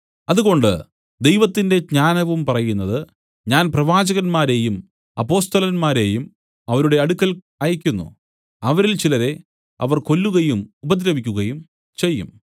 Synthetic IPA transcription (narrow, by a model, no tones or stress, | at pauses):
ɐðuɣo̞ɳɖɨ̰ | d̪e̞jʋɐt̪ːinde̞ɲaːnɐʋumpɐrɐjunːɐðɨ | ɲaːnprɐʋaːd͡ʑɐɣɐnmaːɾe̞ːjum | ɐ̰pːo̞ːst̪ɐlɐnmaːɾe̞ːjum | ɐʋɐɾuɽe̞ɐɽukʲːɐl | aːjɐkʲːunːṵ | ɐʋɐɾilt͡ɕilɐɾe̞ | ɐ̰ʋɐrko̞lːuɣɐjumubɐd̪ɾɐʋikʲːuɣɐjum | t͡ɕe̞jːṵm